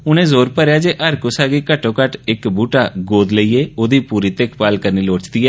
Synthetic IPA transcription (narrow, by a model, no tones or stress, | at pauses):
ʊnẽːzoːɾpəɾjaːd͡ʒeːʔəɾkosaːɡiːkəʈːõːkəʈɪkbuːʈaːɡoːd̪ləiːeːoːd̪iːpuːɾiːt̪ekʰpaːlkəɾniːloːt͡ʃd̪iːɛː